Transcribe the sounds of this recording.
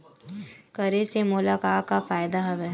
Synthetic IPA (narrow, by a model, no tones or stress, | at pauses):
kɐɾesemʊlaːkaːkafaːjd̪aɦɐʋɛ